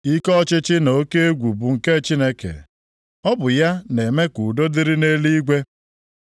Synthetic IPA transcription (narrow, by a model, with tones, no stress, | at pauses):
i˦kɔ˦t͡ʃɪ˦t͡ʃɪ˦no˨˦ke˦e˦ɡʷu˨bu˨ŋ̩˨ke˦t͡ʃi˦ne˦kḛ˨ | ɔ˦bʊ˨ja˦ne˨me˦ku˨do˦dɪ˦ɾi˦ne˦li˦ɡʷe˦